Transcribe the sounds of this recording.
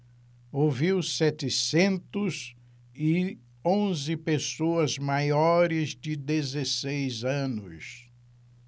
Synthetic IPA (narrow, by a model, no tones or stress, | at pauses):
oviwsɛt̪ɪsẽnt̪ʊz | ɪ | õzɪpesoɐzmajɔɾɪzd͡ʒɪd̪ezesejzɐ̃nʊs